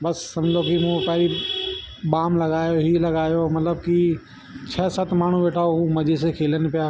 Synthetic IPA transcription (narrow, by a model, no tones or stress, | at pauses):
bɐsːɐ̃md͡ʑokimũpɐɦɾi | ɓaːmlɐɡaːjoɦiːlɐɡaːjomɐt̪ləb̚ki | t͡ɕʰɛːsət̪ʰmaːɳ̤ũʋeːʈʰaːoɦũmɐd͡ʒis̬ekʰeːlənɪ̆pijaː